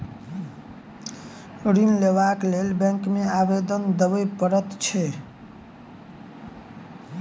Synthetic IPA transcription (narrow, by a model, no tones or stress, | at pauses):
ɾinleβaklelbɛ̃ŋkmeabed̪ənd̪əbəjpəɾət̪t͡ʃʰɛ